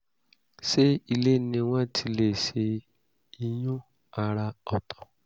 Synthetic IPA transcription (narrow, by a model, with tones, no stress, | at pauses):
ʃe˦i˧le˦nĩ˧w̃ɔ̃˦tʰi˧le˨ʃe˧ | i˧j̃ũ˦ | a˧ɾa˧ɔ˨tɔ̥˨